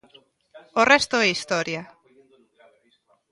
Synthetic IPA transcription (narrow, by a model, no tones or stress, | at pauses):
orɛst̪ʊɛist̪ɔɾja